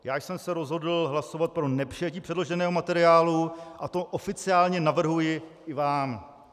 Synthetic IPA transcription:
jaːjsɛmsɛɾo̞zɦo̞dl̩ɦlaso̞vat̪̚pɾo̞nɛpr̥ijɛciːpr̝̥ɛdlo̞ʒɛnɛːɦo̞mat̪ɛɾɪaːluʔat̪o̞ʔofɪt͡sɪaːlɲɛnavr̩ɦujɪɪvaːm

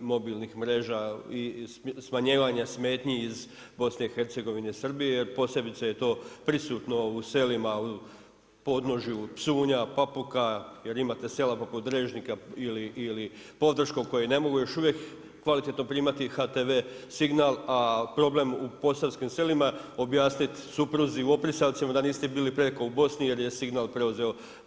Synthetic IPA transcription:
mo̞bilnixmɾe̞ːʒaismaɲeːʋaɲasme̞ːt̪ɲiːz | bo̞sne̞ixe̞ɾt̪se̞ɡo̞ʋine̞isr̩bijeje̞ɾpo̞sje̞bit̪seje̞t̪o̞ːpɾisuːt̪no̞use̞limau | po̞d̪no̞ʒjupsuːɲapapukaje̞ɾimaːt̪e̞se̞lapo̞put̪ɾeːʒnikailiʔːlipo̞d̪r̩ʃkoko̞jene̞mo̞ɡujo̞ʃuʋjekː | ʋalit̪et̪no̞pɾiːmat̪ixat̪e̞ʋe̞ːsiɡnalapɾo̞ble̞mupo̞saʋskimse̞limao̞bjaːsnit̪supɾuziuo̞pɾisalt̪simad̪aniːst̪ebiːlipɾekoubo̞snije̞ɾje̞siɡnaːlˠpɾe̞uze̞o̞

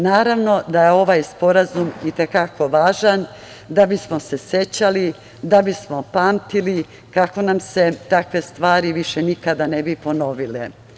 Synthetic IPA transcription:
naːɾaʋno̞d̪ajeo̞ʋajspo̞ɾazumit̪e̞kako̞ʋaːʒan | d̪abismo̞se̞se̞t͡ɕali | d̪abismo̞paːmt̪ili | kako̞namse̞t̪akʋe̞st̪ʋaːɾiʋiʃe̞nikad̪ane̞bipo̞no̞ʋile

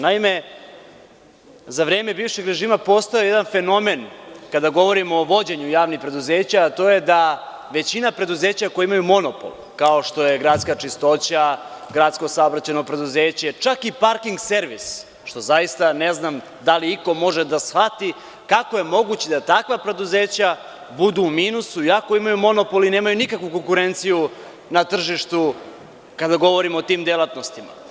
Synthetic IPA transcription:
naime̞ | zaʋɾe̞ːme̞biːʋʃeɡɾe̞ʒiːmapo̞st̪ojejed̪anfe̞no̞menkad̪aɡo̞ʋo̞ɾimoːʋo̞d͡ʑeɲujaːʋnipɾe̞d̪uze̞ːt͡ɕaːt̪o̞je̞d̪a | ʋe̞t͡ɕinapɾe̞d̪uze̞ːt͡ɕakojimajumo̞nopo̰l | kao̞ʃt̪o̞je̞ɡɾaːt̪skat͡ʂist̪o̞t͡ɕaɡɾat̪sko̞saobɾat͡ɕeno̞pɾe̞d̪uzeːt͡ɕe̞t͡ʂakipaɾkiŋɡse̞ɾʋis | ʃt̪o̞zajist̪aneznam | d̪aliiko̞mo̞ʒed̪asfat̪i | kakoje̞mo̞ɡut͡ɕed̪at̪akʋapɾe̞d̪uze̞ːt͡ɕa | bud̪uːmiːnusuiako̞imajumo̞no̞polineːmajunikakʋuko̞ŋkuɾe̞nt̪siju | nat̪r̩ʒiʃt̪u | kad̪aɡo̞ʋo̞ɾimoot̪iːmd̪elat̪no̞st̪ima̰

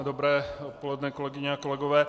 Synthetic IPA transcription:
dobɾɛːot̪̚polɛdnɛːkolɛɡɪɲɛako̞lɛɡovɛː

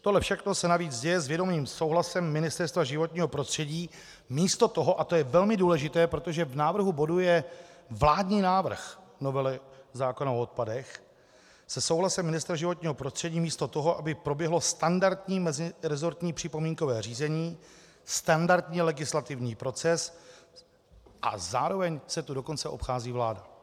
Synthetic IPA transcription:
t̪oɦlɛfʃɛxno̞sɛnaviːt͡sɟɛjɛzvjɛdo̞miːmsowɦlasɛmːɪnɪst̪ɛɾst̪vaʒɪvo̞t̪ɲiːɦo̞pɾost̪r̝̥ɛɟiː | miːst̪o̞t̪oɦo̞ʔat̪o̞jɛvɛlmɪduːlɛʒɪt̪ɛːpɾo̞t̪o̞ʒɛvnaːvr̩ɦubo̞dujɛvlaːdɲiːnaːvr̩xno̞vɛlɪzaːkonaoot̪̚padɛx | sɛso̞wɦlasɛmɪnɪst̪ɾaʒɪvo̞t̪ɲiːɦo̞pɾo̞st̪r̝̥ɛɟiːmiːst̪ot̪oɦo̞ʔabɪpɾo̞bjɛɦlo̞st̪andaɾt̪ɲiːmɛzɪɾɛzo̞ɾt̪ɲiːpr̥ɪpo̞miːŋko̞vɛːr̝iːzɛɲiː | st̪andaɾt̪ɲiːlɛɡɪslat̪ɪvɲiːpɾo̞t͡sɛs | ʔa̰zaːɾo̞vɛɲsɛt̪udo̞ko̞nt͡sɛʔo̞pxaːziːvlaːda

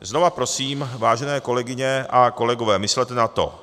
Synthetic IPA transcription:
zno̞vapɾo̞siːmvaːʒɛnɛːko̞lɛɡɪɲɛʔako̞lɛɡovɛːmɪslɛt̪ɛnat̪o̞̰

